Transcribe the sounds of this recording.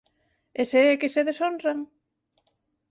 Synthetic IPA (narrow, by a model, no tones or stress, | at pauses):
eseɛkɪseðesonraŋ